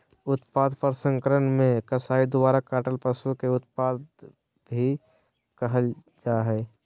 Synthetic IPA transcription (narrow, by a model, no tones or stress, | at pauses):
ʊt̪paːd̪pəɾsə̃ŋkəɾənmẽkəsaːid̪ʊbaːɾakaːʈəlpəsukeʊt̪paːd̪ | bʱi | kəɦəl | d͡ʒaɦɛː